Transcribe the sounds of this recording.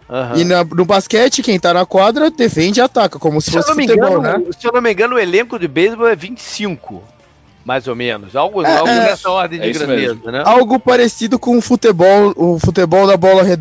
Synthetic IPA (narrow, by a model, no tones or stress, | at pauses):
ɐ̃ɦɪnɐnʊbaskɛt͡ʃɪkẽj̃t̪anɐkwad̪ɾɐd̪efẽnd͡ʒɪat̪akɐkõmʊsɪ̥fosɪfĩt̪ebɔwnɛsewnomĩŋɡɐ̃nʊʊelẽkʊd͡ʒɪbejzbowɛvĩt͡ʃɪ̥sĩŋkʊ̰ | majzomḛ̃nʊsawɡʊ̃aʊɛsɐɔɾd̪ẽj̃d͡ʒɪɡɾɐ̃ed̪ezɐnɛ̃awɡʊpaɾesid̪ʊkõʊfut̪ebɔwʊfut̪̬ebɔwd̪ɐbɔlɐɦed̪